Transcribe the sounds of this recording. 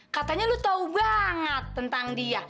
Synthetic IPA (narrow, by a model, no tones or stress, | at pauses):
kat̪aɲalut̪aubaŋət̪ːənt̪aŋdia